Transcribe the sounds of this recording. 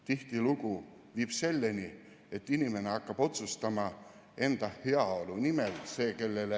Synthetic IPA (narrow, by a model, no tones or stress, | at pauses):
t̪iht̪iluku | viːb̥se̞lːenʲi | e̞t̪ːˑinʲimeneɑkːɑb̥o̞t̪sust̪ɑmɑ | e̞nd̪̥ɑheɑo̞lunimelse̞ːke̞lːele